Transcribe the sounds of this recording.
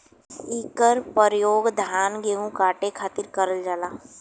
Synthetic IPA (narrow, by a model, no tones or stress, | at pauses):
iːkəɾpəɾjoːɡd̪ʱaːnɡeːɦũkaːʈekʰaːt̪iɾkəɾəld͡ʒaːlaː